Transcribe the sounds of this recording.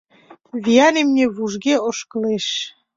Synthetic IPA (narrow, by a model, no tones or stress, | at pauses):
βijɑnemnʲeβuʒɣeoʃkəleʃ